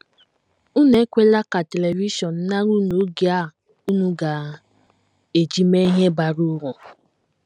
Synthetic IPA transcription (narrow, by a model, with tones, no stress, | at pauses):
u˦ne˦kʷe˦la˦ka˨te˨le˨vi˦ʃɔ˨n̩˨na˦ɾu˦no˨˦ɡja˦ | u˦nu˦ɡa˨ | e˨d͡ʒi˦me˦ɦe˦ba˨ɾu˦ɾɔ˨